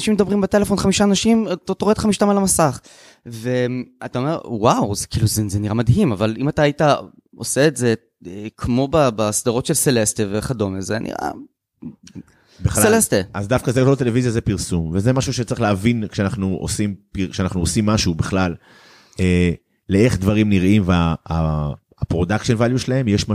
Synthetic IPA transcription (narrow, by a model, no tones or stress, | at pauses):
naʃimed̪abʁimbet̪e̞le̞fo̞nχamiʃaːnaʃimt̪ot̪oʁed̥̪χamiʃt̪amalamasaχ | veat̪aome̞ʁwawzkʰiluzezeniʁamadɦimavalimataːjita | o̰seːtze̞ | ekʰmo̞babasd̪aʁo̞tʃelselest̪eveχado̞mezenʔḭʁa̰ | beχselesteazdafkazeɡlot̪elevizjazepiʁsumvezemaʃuʃet͡saʁiχleavinkʃeanaχnuʔo̰simpikʃeanaχnuosimːaʃubeχlal | eː | ee̞χd̪vaʁimniʁimveaa | pʁo̞dakʃenvaljuʃelahe̞mjeʃma